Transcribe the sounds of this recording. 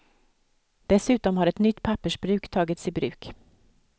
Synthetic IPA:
d̪̥ɛsʉ̟ːt̪ɔmhaɾɛt̪nʏt̪ːpʰapːəʂbɾʉ̟ːkt̪ʰɑːɡət̪siːbɾʉ̟ːk

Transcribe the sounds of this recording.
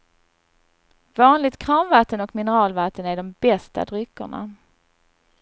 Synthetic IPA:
vɑːnlɪɡ̚t̪kʰɾɑːmvat̪ːənɔkmɪnəɾɑːlvat̪ːənæɖɔmbɛst̪a̰d̪ɾʏkːʊ̰ɳa̰

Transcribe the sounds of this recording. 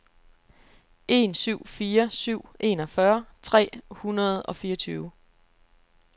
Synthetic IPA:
ʔe̝̰nsyʊ̰fiːɐsyʊ̰ʔe̝̰nɒ̽fɶɐt͡sʰʁɛ̰ːhunɐð̞̩ˠɒ̽fiːɐt͡sʰyːʊ

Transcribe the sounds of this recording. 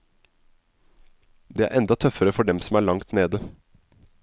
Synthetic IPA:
d̪eːæ̰ɾʔɛnd̪ɑt̪ʰœfəɾəfɔɖɛmsɔm̩æːɭɑŋt̪neːd̪ə

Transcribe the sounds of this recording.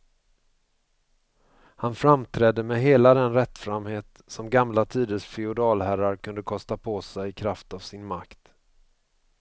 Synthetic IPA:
hanfɾamt̪ʰɾɛd̪ːəmɛɦeːlad̪ɛnɾɛt̪ːfɾamheːt̪ | sɔmɡamlat̪ʰiːd̪əsfɪʊd̪ɑːlhæɾaɾkʰɵnd̪əkʰɔst̪apʰɔsɛjɪkʰɾaft̪avsɪnmakt̪

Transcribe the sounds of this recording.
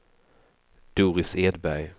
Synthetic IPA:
d̪̥uːɾɪseːd̪bæɾj

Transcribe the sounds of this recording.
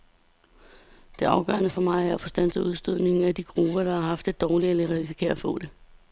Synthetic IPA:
d̥e̝ʔɑ̈ʊɡ̥ɶ̰ɐnəfɒ̽mɑ̈ɪæɐæfɒ̽sd̥æn̰səuð̞ˠsd̥øð̰ˠne̝ŋŋ̩æd̥iɡ̥ʁub̥ɐd̥ɑ̈hɑ̈ɦɑ̈fd̥ed̥ɒːlieləʁiis̬i̥kʰe̝̰ːɐfɔ̰̽ːd̥e̝

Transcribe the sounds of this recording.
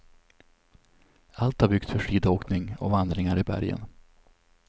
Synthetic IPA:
alt̪haɾbʏk̚t̪sfœʂiːd̪oːknɪŋɔ̰vand̪ɾɪŋaɾɪbæ̰ɾjə̰n

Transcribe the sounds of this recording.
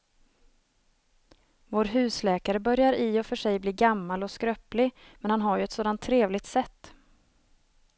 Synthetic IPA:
voːɾɦʉ̟ːslɛːkaɾəbœɾjaɾɪɔfœʂɛjbliːɡamːalɔskɾœplɪ | mɛnhanɦaɾjɵɛt̪soːd̪ant̪ʰːɾeːvlɪɡ̚t̪sɛt̪ː

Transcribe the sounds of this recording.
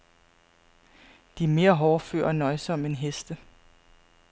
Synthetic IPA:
d̥iæɐme̝ːɐɦɒːfø̰ːɐɒnɒ̽ɪsɒ̽me̝nɦesd̥ə

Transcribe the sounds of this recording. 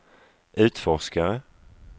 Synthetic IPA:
ʔʉ̟ːt̪fɔʂkaɾə

